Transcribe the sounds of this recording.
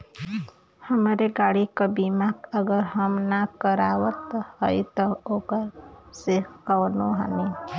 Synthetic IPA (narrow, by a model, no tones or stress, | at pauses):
həmɾeɡaːɽikabiːmakəɡəɾɦəmnakəɾaːwət̪ːhəit̪ɔoːɡəɾsekəwnoɦa̰ni